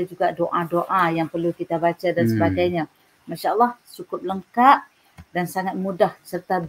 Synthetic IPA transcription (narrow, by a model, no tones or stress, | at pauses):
d͡ʒuɡaʔdoʔadoʔajaŋpərlukit̪abat͡ʃadansəbaɡajɲã | maʃaʔəlːɑhsukʊp̚ləŋkaʔ̚ | dansaŋat̪̚mudahsərt̪a